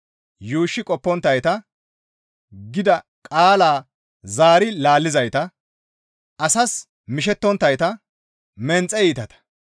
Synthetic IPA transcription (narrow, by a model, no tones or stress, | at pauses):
juːʃːɪkʼɔpːɔnt̪ːɐjt̪ɐ | ɡɪd̪ɐ | kʼaːlaː | zaːɾɪlaːlːɪzɐjt̪ɐ | ɐsɐs | mɪʃ̬ɛt̪ːɔnt̪ːɐjt̪ɐ | mɛnt͡sʼɛjiːt̪ɐt̪ɐ̥